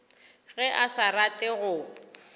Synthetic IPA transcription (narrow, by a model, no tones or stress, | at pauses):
ɣɛʔasaɾatʼɪɣʊ